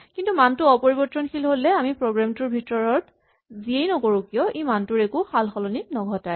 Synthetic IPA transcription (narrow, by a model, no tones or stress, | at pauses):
kintumantʊɔpoɹibɔtɹɔnxilɦolːɛamipɹoɡɹamtʊɹbʱitɔɹɔt | ziejnɔkoɹukijɔʔemantʊɹekʊxalxɔlɔnik̚nɔɡʱɔtaj